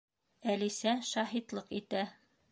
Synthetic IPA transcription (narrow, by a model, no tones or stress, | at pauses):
ælisæʃɑɦit̪lˠɤqit̪æ